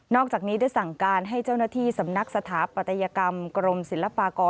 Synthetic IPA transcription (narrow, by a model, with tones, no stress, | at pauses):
nɔː˥˩k̚t͡ɕaː˨˩k̚niː˦˥da˥˩jsa˨˩ŋkaː˧nɦa˥˩jt͡ɕa˥˩wnaː˥˩t̪ʰiː˥˩sa˩˦mna˦˥k̚sa˧t̪ʰaː˩˦pa˨˩t̪ʰːa˧jaː˧ka˧mkɾo˧msi˨˩˦la˧paː˧kɔː˧